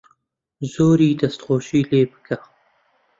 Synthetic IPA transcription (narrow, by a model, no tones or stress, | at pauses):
zoːɾiːd̪ɐst̪xoːʃiːleːbɨ̥kʰɐ